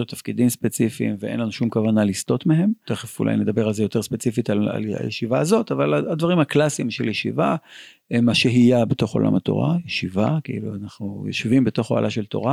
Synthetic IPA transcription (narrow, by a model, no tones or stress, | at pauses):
ut̪afkid̪imspet͡sifḭmveḛnlanuʃumkavanalist̪o̞t̪meɦe̞mt̪eχefṵla̰jned̪abe̞ʁalzejo̞t̪e̞ʁspe̞t͡sifitala̰la̰jḛʃivaːzo̞t̪avalaad̪vaʁimhaklasimʃeljeʃḭva | emaʃeɦijabet̪o̞χo̞̰la̰mat̪o̞̰ʁa̰jeʃivakiiluanaχnujo̰ʃivimbet̪o̞χoa̰laʃe̞lt̪o̞̰ʁa